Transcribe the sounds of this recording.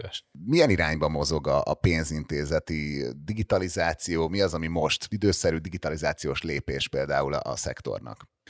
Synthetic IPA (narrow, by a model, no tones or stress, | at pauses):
ɛʃmijɛniɾaːɲbɒmo̞zo̞ɡɒːpeːnzint̪eːzɛt̪id̪iɡit̪ɒlizaːt̪sijoːmiɒzɒmimo̞ʃt̪id̪øːsɛɾyːd̪iɡit̪ɒlizaːt̪sijoːʃleːpeːʃpeːld̪a̰ːul̰ɒ̰sɛ̰kt̪o̞̰rnɒ̰k